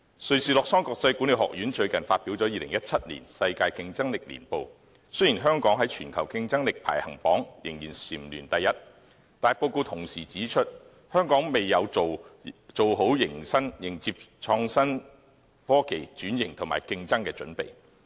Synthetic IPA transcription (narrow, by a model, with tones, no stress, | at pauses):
sɵ˨ɥsiː˨˧lɔː˨k̚sɔː˥ŋkɔː˧k̚sɐ˧jkuː˨˥nli˨˩hɔ̰ː˨k̚jyː˨˥nt͡ʃɵ˧ɥkɐ˨˩nfaː˧t̚pi˨˥wt͡sɔː˨˥jiː˨lɪ˨˩ŋjɐ˥t̚t͡sʰɐ˥t̚lḭ˨˩nsɐ˧jkaː˧jkɪ˧ŋt͡sɐ˥ŋlɪ˨k̚lḭ˨˩npo˨˧w | sɵ˥ɥjiː˨˩nɦœː˥ŋkɔː˨˥ŋɦɐ˨˥jt͡ʃʰyː˨˩nkʰɐ˨˩wkɪ˧ŋt͡sɐ˥ŋlɪ˨k̚pʰa̰ː˨˩jhɐ˨˩ŋpɔː˨˥ŋjɪ˨˩ŋjiː˨˩nsiː˨˩mlyː˨˩nt̪ɐ˨jːɐ˥t̚ | t̪aː˨jpo˧wko˧wt̪ʰʊ˨˩ŋsiː˨˩t͡siː˨˥t͡ʃʰɵ˥t̚ | hœː˥ŋkɔː˨˥ŋme˨jjːɐ˨˧wo˨wt͡so˨wɦo˨˥wjɪ˨˩ŋsɐ˥ŋjɪ˨˩ŋt͡siː˧p̚t͡ʃʰɔː˧ŋsɐ˥n | fɔː˥kʰe˨˩jt͡ʃyː˨˥njɪ˨˩ŋt̪ʰʊ˨˩ma̰ː˨˩jkɪ˧ŋt͡sɐ˥ŋkɛː˧t͡ʃɵ˨˥npḛ˨j